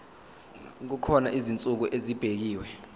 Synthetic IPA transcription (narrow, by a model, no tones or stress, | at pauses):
k̬ukʰɔnaʔizint͡sʼuk̬uʔezib̥ʱek̬iːwɛ